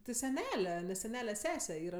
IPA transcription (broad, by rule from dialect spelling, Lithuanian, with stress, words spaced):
tʲɪ sʲɛˈnʲæːlʲɛ sʲɛˈnʲæːlʲɛ ˈsʲæːsʲɛ ˈiːrɐ